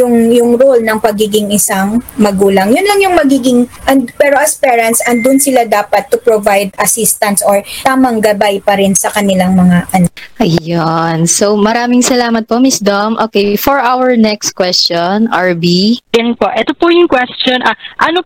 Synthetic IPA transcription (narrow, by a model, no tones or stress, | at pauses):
jʊŋjʊŋɾolnɐŋpɐɡiːɡɪŋɪsaŋmɐɡuːlɐŋjʊnlɐŋjʊŋmɐɡiːɡɪŋʔɐnpɛːɾo̞ʔɐspɛːɹɐnt̪sʔɐnd̪ʊnsɪlad̪aːpɐt̪ːʊpɹovajd̪ɐsist̪ɐnsʔoɹt̪aːmɐŋɡɐbajpɐɾɪnsɐkɐnɪlaŋmɐŋaʔɐnʔɐjjonsomɐɾaːmɪŋsɐlaːmɐt̪̚pomisd̪omʔoːkejfɔɹʔawɛɹnɛkst̪kwɛst͡ʃonʔɐɹbiɐnnpoʔɛt̪opojʊŋkwɛst͡ʃonʔɐʔɐno